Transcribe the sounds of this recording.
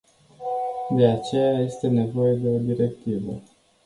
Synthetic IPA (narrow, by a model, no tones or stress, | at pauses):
d̪e̞at͡ʃe̞jaje̞st̪e̞ne̞vo̞je̞d̪e̞o̞d̪iɾe̞kt̪ivə